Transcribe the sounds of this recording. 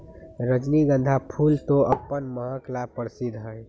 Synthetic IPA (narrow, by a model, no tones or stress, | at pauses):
ɾəd͡ʒniɡə̃nd̪ʱapʰult̪oʔəpːənməɦãklapːəɾsid̪ɦəj